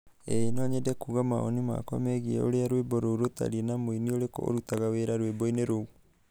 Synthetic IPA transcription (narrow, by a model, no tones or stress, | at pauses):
enɔɲedɛkuɣama̰o̰nima̰kɔ̰mɛɣiɛ̰o̰ɾeaɾwebɔɾouɾota̰ɾienamoinioɾeko̰ɾutaɣaweɾaɾwebɔineɾou